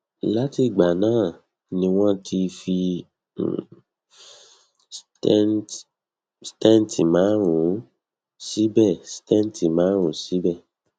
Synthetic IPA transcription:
la˦ti˧˨ɡ͡ba˨nãː˦˨ | nĩ˧w̃ɔ̃˦tʰi˧fḭ˧˨ | st | stɛ̃˦n˨ti˨mãː˨˦ɾ̃ũ˨˦ | si˨˦bɛ˦˨si̥˨tɛ̃˦˨n˨ti˨mãː˨˦ɾ̃ũ˨˦si˨˦bɛ˦˨

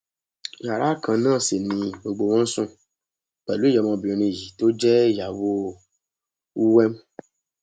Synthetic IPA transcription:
ja˨ɾa˦kʰã˨nãː˦˨se˨nĩ˨we˨ɡ͡bo˨wɔ̃˦sũ˦ | k͡pɛ˨lu˦e˦jɛ˨mã˨bi˨ɔ̃˨nĩ˨ji˨t̪o˦d͡ʒɛ˦ja˨wo˦ | wu˦wɛ˦m

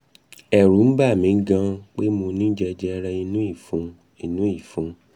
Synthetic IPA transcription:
ɛ˨ɾu˨˦n̩˦ba˦˨mĩ˨˦ŋ̩˦ɡã˦k͡pe˦mo˧nĩ˦d͡ʒɛ˧d͡ʒɛ˦˧ɾɛ˧i˧nũ˦i˦˨fũ˧˦ | i˧nũ˦i˦˨fũ˧˦

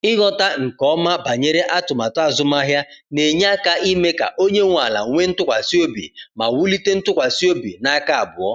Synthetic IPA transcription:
ɪ˦ɣɔ˦ta˦ŋ̩˨kɔ˦ma˦ba˨ɲe˦ɾe˦ʔa˦tʊ˨ma˨ta˦˨zʊ˦ma˦ɦja˦ne˨ɲ˦a˦ka˦i˦me˦ka̰˨ʔo˦ɲe˦ŋʷa˨la̰˨˦ŋʷe˦n̩˦tʊ˦kʷa˨si˦o˦bḭ˨ma˨wu˦li˦te˦n̩˦tʊ˦kʷa˨si˦o˦bḭ˨na˦ka˦a˨bʊ˨ɔ˦

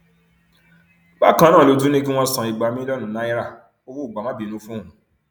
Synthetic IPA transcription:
ba˦˨kã˦nãː˦˨lo˨˧du˨˦nĩ˦k̬i˦w̃ɔ̃˧sã˨i˨ɡ͡ba˨˦mĩ˦lɔ˦nũ˨nã˨˦i˦ɾa˦˨ | o˦wu˦˨ɡ͡ba˨mã˦bi˨nũ˧˦fũ˦ũ˨

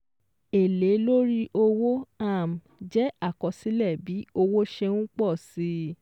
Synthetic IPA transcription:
e˨le˨˦lo˦ɾi˦ʔo˧wo˦a˦˨m̩˨d͡ʒɛ˨˦a˦˨kɔ˧si˨˦lɛ˦˨bi˨˦o˧wo˦ʃɛ˧w̃ũ˦k͡pɔ˦˨si˨˦

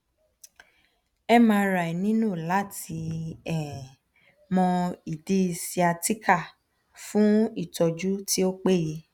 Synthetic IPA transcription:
ɛ˦mã˧˦˧ɾa˨i˨nĩ˦nũ˦˨la˨˦ti˧ɛ̃˨ | mɔ̃˧i˨di˦i˧si˧a˧ti˦kʰa˦˨ | fũ˦i˦˨tɔ˨d͡ʒu˦ti˦o˦k͡pe˦˨ji˧

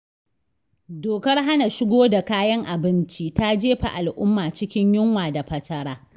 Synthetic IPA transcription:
doː˨kɐ˦rɦa˦na˨ʃɪ˦ɡʷoː˦da˨kaː˦jɐ˦ŋʔa˨bɪ˦nt͡ʃi˦ta˦d͡ʒeː˦ɸa̰˨ʔa˨lʔʊ˦mːaː˨t͡ʃɪ˦kʲɪ˦ɲjʊ˦ŋwaː˨da˨ɸɐ˦tɐ˦ɽaː˦

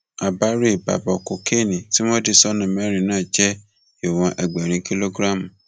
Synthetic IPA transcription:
a˨ba˦ɾe˦˨ba̰˨bɔ˨ko˨ke˦˨nĩ˨ti˦w̃ɔ̃˦de˦˨sɔ˦nã˨mɛ˦˨ɾĩ˧˨nãː˦˨d͡ʒɛ˦ | e˨w̃ɔ̃˨˧ʔɛ˨ɡ͡bɛ˨ɾ̃ĩ˧ki˦lo˦ɡɾa˦˨m˨

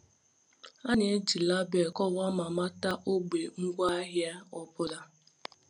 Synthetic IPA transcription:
a˦n˦e˦d͡ʒi˨la˦be˨kɔ˦˨wa˦ma˨ma˦ta˦ʔo˦ɡ͡be˨ŋ̩˦ɡʷa˦ɦja˦ɔ˦pʊ˦da˦

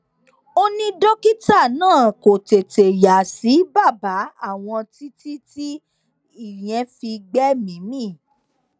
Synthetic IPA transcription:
o˦nĩ˦dɔ˦ki˦ta˦˨nãː˦˨ko˨te˨te˨ja˨si˨˦ba˦˨ba˨˦a˦˨w̃ɔ̃˧ti˦ti˦ti˦ | i˦˨j̃ɛ̃˧˦fi˧ɡ͡bɛ˦mĩ˨˦mĩ˦˨

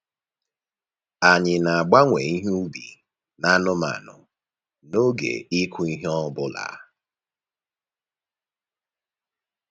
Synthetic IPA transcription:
a˨ɲɪ˨na˨a˨ɡ͡ba˦ŋʷe˨i˦ɦu˦bḭ˨ | na˦nʊ˦ma̰˨nʊ̰˨ | no˦ɡḛ˨i˦kʰʷʊ˦i˦ɦe˦ɔ˦bʊ˦la̰˨˦

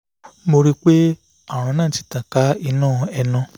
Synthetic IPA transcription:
mo˧ɾi˦k͡pe˦ | a˦˨ɾ̃ã˧nãː˦˨ti̥˨˦ta˨ka˨˦i˧nãː˦˨ɛ˧nã˧

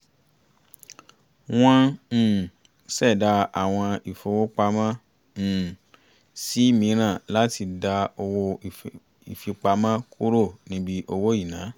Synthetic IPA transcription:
w̃ɔ̃˦˨ | sɛ˦˨da˧a˨w̃ɔ̃˧i˨fo˧wo˦k͡pa˧mã˦˨ | si˨˦mĩ˨˦ɾ̃ã˦˨la˦ti˧da˧o˧wo˧ | i˨fi˧k͡pa˧mã˦kʰu˦ɾo˦˨nĩ˦bi˦ʔo˧wo˦i˦˨nã˨˦

